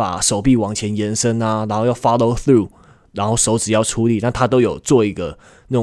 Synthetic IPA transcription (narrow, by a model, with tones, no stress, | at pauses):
pa̰˨˩ʂo˨˩ʊpi˥˨wɑ˨˩ŋt͡ɕʰjɛ˧˥njɛ˧˥nʂə˦˥na˨ɻa˥nxo˥˧jɑ˥˩ʊfɑ˥lo˧˦ʊθɾu˥ | ɻa˧˥nxo˥˩ʊʂo˧˥ʊʈ͡ʂɻ̩˨˩jɑ˥˩ʊʈ͡ʂʰu˧˥li˨˩na˥˨nt̪ʰa˥t̪̬o˥ʊjo˨˩ʊt͡swɔ˥˩i˧˦˥ɡə˨ | na˥˩˨